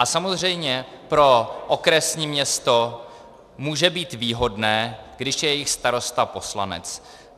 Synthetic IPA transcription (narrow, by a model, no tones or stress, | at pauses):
ʔasamozr̝ɛjmɲɛ | pɾo̞ʔokɾɛsɲiːmɲɛst̪o̞ | muːʒɛbiːt̪viːɦo̞dnɛːɡ̥dɪʃjɛjɛjɪxst̪aɾo̞st̪apo̞sla̰nɛ̰t͡s